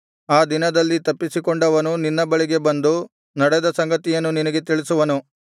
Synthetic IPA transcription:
aːd̪inɐd̪ɐlːit̪ɐpːisikoɳɖɐʋɐnuninːɐbɐɭiɡe̞bɐnd̪u | nɐɽɛd̪ɐsɐŋɡɐt̪ijɐnːuninɐɡe̞t̪iɭisuʋɐnu

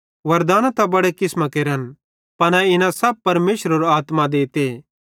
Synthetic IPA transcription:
ʋɐɾd̪aːnat̪ɐbɐɽekɪsmakeːɾən | pɐnãɪnãsɐb̚pɐɾmeːʃɾəɾoaːt̪mãd̪eːt̪eː

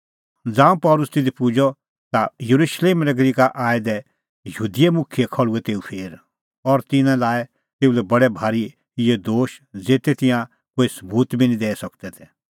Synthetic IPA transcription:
d͡zãːũpɔːlʊst̪ɪd̪ipʊd͡ʒɔ | t̪ajɐɾuʃleːmɾɛɡɾikaʔaːɛd̪ɛ | jɦuːd̪ijemʊkʰɪjekʰɐɭuɛt̪eːupʰeːɾ | ɔɾt̪ɪnãlaːɛ | t̪eːulɛbɐɽɛbʱaːɾi | ɪjed̪oːʃd͡zeːt̪ɛt̪ɪ̃jã | koːisɐbuːt̪bʱinĩd̪ɛːɛsɐkt̪ɛt̪ʰɛ

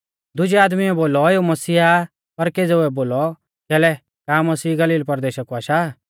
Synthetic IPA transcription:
d̪ʊd͡ʒiaːd̪miɛboːlɔeomɐsiːa | pɐɾkeːd͡zɛʊɛboːlɔ | kɛːlɛ | kaːmɐsiːɡɐliːlpɐɾd̪eːʃəkuaːʃaː

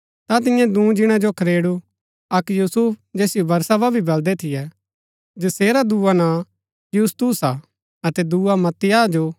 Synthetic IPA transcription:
t̪at̪̬ɪjãd̪ũːd͡ʒɪɽ̃ãd͡ʒokʰɐɾeːɽu | ɐkjuːsupd͡ʒɛːsɪjobɐɾsababʱibɐld̪ɛt̪ʰɪjɛ | d͡ʒɐseːɾad̪uːanã | juːst̪usa | ɐt̪ɛd̪uːamɐt̪ːɪjaːd͡ʒoː

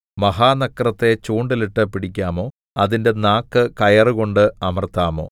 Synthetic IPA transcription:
mɐɦaːnɐkːrɐt̪ːe̞t͡ɕuːɳɖiliʈːɨpiɽikʲːaːmo̞ː | ɐðinde̞naːkːɨkɐjɐrɨko̞ɳɖɨɐmɐrt̪aːmo̞̰ː

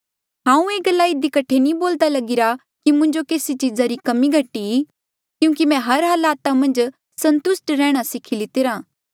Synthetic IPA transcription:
ɦãːũeːɡɐlːaɪd̪ikɐʈʰːenĩboːld̪alɐɡɪɾa | kimʊ̃ɲd͡ʒokeːsit͡ʃizaɾikɐmiɡʱɐʈi | kjũːkimɛ̃ɦɐɾɦɐlaːt̪amɐ̃nd͡ʒ | sɐ̃nt̪ʊsʈɾɛːɽ̃asɪkʰilɪt̪ɪɾãː

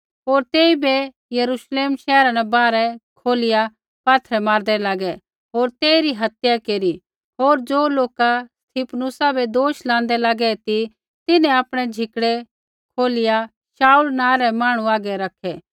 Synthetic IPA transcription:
ɦoːɾt̪eːibe | jɐɾuʃleːmʃɛːɾãnɛ̃baːɾɛkʰoːlɪja | paːt̪ʰɾɛmaːɾd̪ɛlaːɡɛ | ɦoːɾt̪eːiɾiɦɐt̪jakeːɾi | ɦoːɾd͡ʒoːloːkast̪ʰipʰnʊsabʱed̪oːʃlãːnd̪ɛlaːɡɛt̪i | t̪ɪnɛ̃aːpɽ̃ɛd͡ʒʱɪkɽɛ | kʰoːlɪja | saːulnãːɾɛmaːɽ̃ũaːɡɛɾɐkʰɛː

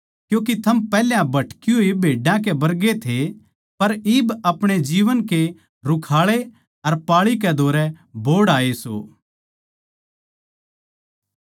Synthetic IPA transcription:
kjũːk̬it̪ʰɐmpɛːljãbʱɐʈkɪjoibʱeːɖãk̬ebɐɾɡet̪ʰe | pɐɾiːbɐpɽ̃ed͡ʒiːʋənke | ɾʊkʰaːɭe | ɐɾpaːɭik̬ɛd̪ʱoːɾɛbʱoːɽaːeso̰ː

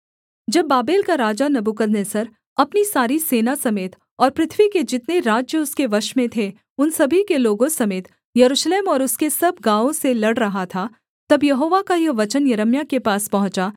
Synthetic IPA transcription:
d͡ʒɐbːaːbeːlkaɾaːd͡ʒanɐbukəd̪nesɐɾ | ɐpnisaːɾiseːnasɐmeːt̪ | ɔːɾpɾɪt̪ʰʋiked͡ʒɪt̪neɾaːd͡ʒjəʊskeʋɐʃmẽt̪ʰe | ʊnsɐbʱikeloːɡõsɐmeːt̪ | jɐɾuːʃleːmɔːɾʊskesɐb̚ʱɡãːõselɐɽɾɐɦat̪ʰa | t̪ɐbjɐɦoːʋakajɐʋɐt͡ʃənjɐɾəmjakepaːspɐɦʊ̃t͡ʃa

